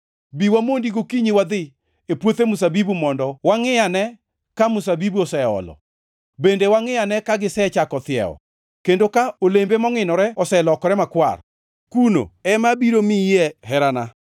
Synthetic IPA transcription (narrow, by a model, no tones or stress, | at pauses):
biwamondiɡokiɲiwad̪ɪ | epwot̪emʊsabibumɔndɔwaŋɪanɛ | kamʊsabibuɔsɛɔ̰lɔ̰ | bendewaŋɪanɛkaɡɪsɛt͡ʃakɔt̪ɪɛ̰ɔ̰ | kendokaolembemɔŋɪnɔɾɛɔsɛlɔkɔɾɛmakwa̰r | kuno̰ɛmabiɾomijɛɦɛɾana